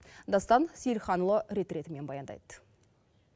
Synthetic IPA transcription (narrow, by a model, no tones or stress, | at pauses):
d̪ɑst̪ɑnsijlχɑnlˠəɾe̞t̪ɾe̞t̪ɪme̞nbɑjɑnd̪ɑ̰jd̪ə